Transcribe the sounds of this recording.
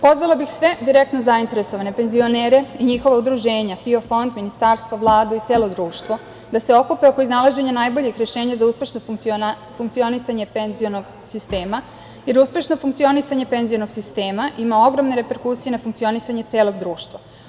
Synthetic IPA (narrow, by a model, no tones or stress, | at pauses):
po̞zʋalobixsʋe̞d̪iɾek̚t̪nozaint̪e̞ɾe̞so̞ʋane̞pe̞nzio̞neːɾe̞iɲixo̞ʋaud̪ɾuʒe̞ːɲapio̞fo̞nd̪minist̪aːɾst̪ʋaʋlˠaːd̪uit̪se̞ːlˠo̞d̪ɾuːʃt̪ʋo̞ | d̪ase̞o̞kupeo̞ko̞iznalˠaʒe̞ɲanajbo̞ʎixɾe̞ʃe̞ːɲazauspʲe̞ʃno | fuŋkt̪sio̞nisaɲepenzijonoɡ | sist̪eːma | je̞ɾuspe̞ʃno̞fuŋkt̪sio̞nisaɲe̞pe̞nzijonoɡsist̪e̞ːmaʔimao̞ɡɾo̞mneɾe̞pe̞ɾkuːsije̞nafuŋk̚t̪sio̞nisaɲe̞t̪se̞ːlˠo̞ɡd̪ɾuːʃt̪ʋa